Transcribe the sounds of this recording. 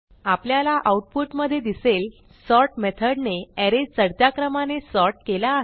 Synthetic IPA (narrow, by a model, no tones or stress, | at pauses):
apljalaʔauʈ̚puʈməd̪ʱːjed̪isel | sɔɾʈmet̪ʰəɽneɛɾed͡ʑt͡səɽt̪jakɾəmanesɔɾʈ̚kelaːɦ